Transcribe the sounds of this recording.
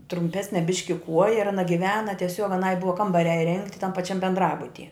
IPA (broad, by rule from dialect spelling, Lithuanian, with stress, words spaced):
trʊmʲˈpʲæːsʲnʲɛ ˈbʲɪʃʲkʲɪ ˈkuɔjɛ ɪr ɐˈnɐ ɡʲɪˈʋʲæːnɐ tʲiɛˈsʲoːk ɐˈnɐɪ ˈbʊʋɐ ˈkɐmbɐrʲæː ɪˈrʲɛŋktʲɪ tɐm pɐˈt͡ʃʲɛm bʲɛndˈrɑːbʊtʲiɛ